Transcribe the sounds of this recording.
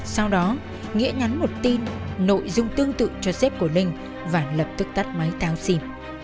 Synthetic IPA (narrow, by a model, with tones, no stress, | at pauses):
sa˧wɗɔ˨˦ | ŋḭ˧˥əɲa˨˦nmo˨˩t̚t̪i˧nːo̰˧˨jzʊ˧ŋ͡mt̪ɨ˧əŋt̪ɨ̰˧˨t͡ɕɔ˧sɛ˦˥p̚ku˧˩əlï˧ŋ̟ | vaː˨˩ləː˨˩p̚t̪ɨ˦˥k̚t̪a˦˥t̚ma˨˦jt̪aː˨˦wsi˧m